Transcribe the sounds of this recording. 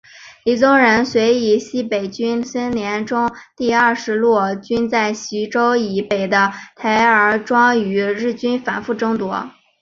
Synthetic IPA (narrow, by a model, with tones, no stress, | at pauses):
li˨˧˩t͡sʊ˥ŋɻə˧˥nswe˧˥ɪi˨˩ɕi˥pe˨˩ɪt͡ɕy˥nsə˥nljɛ˧˥nʈ͡ʂʊ˥ŋt̪i˥˧ə˞˥˩ʂɻ̩˧˥lwɔ˥˩t͡ɕy˥nt͡sa˥˩ɪɕi˧˥ʈ͡ʂo˥ʊi˨˩pe˨˩ɪd̪ə˦t̪ʰa˧˥ɪə˞˧˥ʈ͡ʂwɑ˥ŋy˧˥ɻɻ̩˥˩t͡ɕy˥nfa˨˩nfu˥˩ʈ͡ʂɤ˥ŋt̪wɔ˧˥